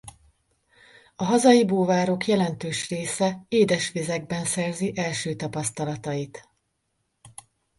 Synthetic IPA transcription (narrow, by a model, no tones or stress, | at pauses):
ɒɦɒzɒjiboːvaːɾo̞kjɛlɛnt̪øːʃreːsɛeːd̪ɛʃʋizɛɡ̚bɛnsɛrziʔɛlʃøːt̪ɒpɒst̪ɒlɒt̪ɒjit̪